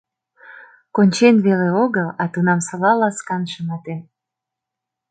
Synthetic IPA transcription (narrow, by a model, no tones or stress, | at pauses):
konʲt͡ɕenβeleoɣəlɑt̪unɑmsɑβɑlɑskɑnʃəmɑt̪en